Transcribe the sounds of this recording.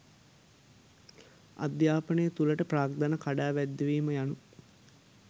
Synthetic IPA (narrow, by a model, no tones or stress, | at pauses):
a̰d̪jaːpənəjət̪uləʈəpraːɡ̚d̪anəkaɖaːʋæd̪ːeʋiːməjanu